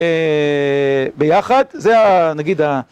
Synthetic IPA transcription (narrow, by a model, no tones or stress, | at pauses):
e | bejaχad̪zeanaɡid̪a